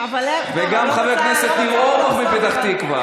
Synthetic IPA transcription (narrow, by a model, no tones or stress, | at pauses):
vveɡamχavekneset̪niʁoʁaχmebet̪aχt̪ikva̰